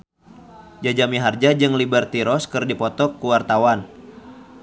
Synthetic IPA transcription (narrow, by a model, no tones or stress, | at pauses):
d͡ʒad͡ʒamiɦard͡ʒad͡ʒɨŋlibərt̪iɾɔskɨrdipɔt̪ɔkːuwart̪awan